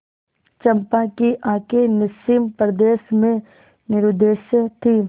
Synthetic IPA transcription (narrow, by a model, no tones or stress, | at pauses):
t͡ʃɐ̃mpakiʔãːkenɪsimpɾəd̪eːʃmẽ | nɪɾʊd̪eːʃət̪ʰi